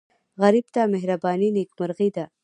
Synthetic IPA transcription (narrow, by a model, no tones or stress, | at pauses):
ɣaɾibt̪ameɦɾabɑːninekmaɾɣid̪a